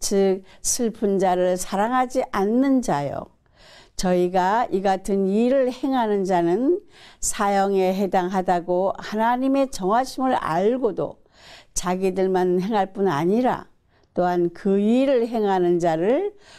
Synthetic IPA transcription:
t͡ɕɯk̚sʰɯɭpʰɯnd͡ʑaɾɯɭsʰaɾaŋɦad͡ʑiʔanːɯnd͡ʑajo̰ | t͡ɕʌiɡaiɡatʰɯniɾɯɭhe̞ŋɦanɯnd͡ʑanɯnsʰajʌŋe̞ɦe̞daŋɦadaɡohanaɲime̞t͡ɕʌŋɦwaɕʰimɯɾa̰ɭɡodo̰ | t͡ɕaɡidɯɭmanɦe̞ŋɦaɭp͈una̰ɲiɾa̰ | t͈oɦankɯiɾɯɭɦe̞ŋɦanɯnd͡ʑaɾɯɭ

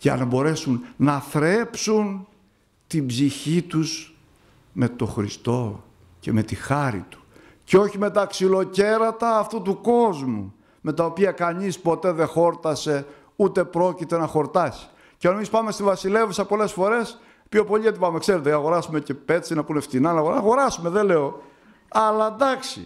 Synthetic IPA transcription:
ʝɐ̰nɐbo̞ɾe̞sunnɐθɾe̞psun | t̪imbziçit̪us | me̞t̪o̞xɾist̪o̞ | ce̞me̞t̪ixɐɾḭt̪u̥ | ceo̞çime̞t̪ɐksilo̞ce̞ɾɐt̪ɐːft̪ut̪uko̞zmṵ | me̞t̪ɐopiɐkɐɲispo̞t̪e̞ðe̞xo̞ɾt̪ɐse̞ | ut̪e̞pɾo̞cit̪e̞nɐxo̞ɾt̪ɐsi̥ | ceɐnemispɐme̞st̪ivɐsile̞vsɐpo̞le̞sfo̞ɾe̞s | pçopo̞ʎiɐt̪ipɐmekse̞ɾet̪̬eɐɣo̞ɾɐsume̞ce̞pe̞t̪t͡sinɐpuneft̪inɐnɐɣoɐɣo̞ɾɐsume̞ðele̞o̞ | ɐlɐd̪ɐksḭ

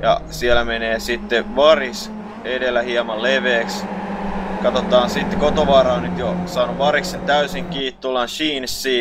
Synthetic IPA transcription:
jɑ̰sielæmeneːsit̪ːeʋɑris | edelːˑæhiɑmɑlleʋeːks | kɑt̪ot̪ɑːnsit̪ːekot̪oʋɑːɾɑonnyt̪josɑːnuʋʋɑriksent̪æysiŋkiːt̪t̪ːulːɑnʃiːnsːiː

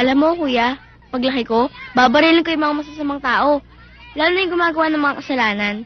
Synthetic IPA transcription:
ʔɐlɐmːokuːja | pɐɡlɐkɪko̞baːbɐɾilɪŋkojʊŋmɐŋamɐs̬asɐmɐŋt̪aːʔo̞ | laːlonɐjʊŋɡʊmaːɡɐwanɐŋmɐŋakɐsɐlaːnɐn

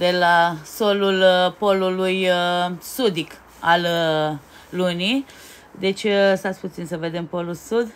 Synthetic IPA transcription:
d̪e̞laso̞lulpo̞lulujsud̪ik | alː | uni | d̪e̞t͡ʃʲsat̪sʲput̪sinsəve̞d̪e̞mpo̞lulsud̪

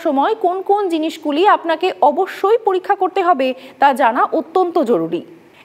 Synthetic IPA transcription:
ʃɔmɔekonkond͡ʑiniʃɡuliapnakeʔɔboʃːojpoɾikʰːakoɾt̪eɦɔbet̪ad͡ʑanaʔot̪ːont̪od͡ʑoɾuɾḭ

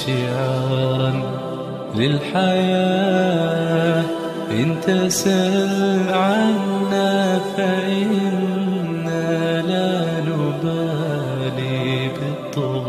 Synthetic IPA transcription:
ʃɪʕɑɑːɾˤn | lɪlħajaː | ʔɪnt̪asalʕanːafaʔɪnː | ala | nʊba | libɨt̪ˤːɑb

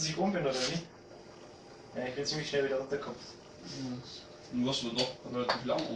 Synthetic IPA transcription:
ziːkʔʊmbɪnoːdɐnɪç | jaɪçb̥ɪnt͡siːmlɪçʃnɛlviːdɐʊntɐkʰɔmft | nuasudɔχʁɛlatʰiːflaŋ

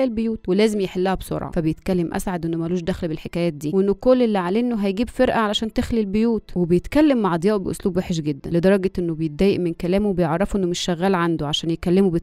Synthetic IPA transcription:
ʔelbejuːt̪welæːzemjeħelːæhæbsˤo̰ɾˤʕɑ̰fæbejet̪kælːemʔæ̰sʕad̪ʔenːomæluːʃd̪æxlbelħekæːjæːt̪̚d̪iːweʔenːokolːʔelːiʕaleʔnːoɦæjɡiːbfeɾʔæʕalæʃæːnt̪exlilbejuːt̪webejet̪kælːemːaʕʔɑd̪ˤjɑːʔubeʔo̰sluːbweħeʃɡed̪ːæ̰nled̪ɑɾˤɑɡɑʔenːobejet̪̚d̪ːæːjeʔmenkælæːmuwebejeʕɾˤːɑfuʔenːomeʃːæɣːæːlʕand̪oʕaʃæːnjekælːemube

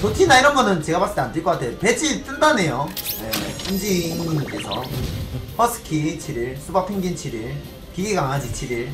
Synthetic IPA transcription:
totʰinaiɾʌnɡʌnɯnt͡ɕe̞ɡapas͈ɯtʰeandɯɭk͈ʌk͈atʰe̞jope̞t͡ɕʰit͈ɯndane̞jonḛsʰɯnd͡ʑiŋk͈e̞sʰʌ | hʌsʰɯ̥kʰit͡ɕʰiɾiɭsʰubapʰeŋɡint͡ɕʰiɾiɭ | kiɡiɡaŋɦad͡ʑit͡ɕʰiɾiɭ

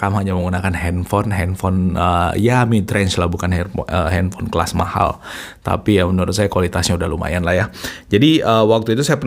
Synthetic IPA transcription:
kamhaɲaməŋɡunakanɦɛnfɔnɦɛnfɔnəjamit̪ɾɛnt͡ʃlahbukanɛəhɛnfɔnkla̰sma̰ha̰lt̪a̰pijamənəɾʊt̪̚sajakwalit̪asɲaudahluma̰janlahjahd͡ʒadiəwak̚t̪uit̪usajapən

